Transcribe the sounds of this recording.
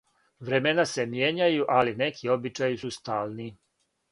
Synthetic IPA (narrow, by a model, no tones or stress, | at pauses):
ʋɾe̞menase̞mjeːɲajuʔaline̞kʰio̞bit͡ʃajisust̪aːlˠni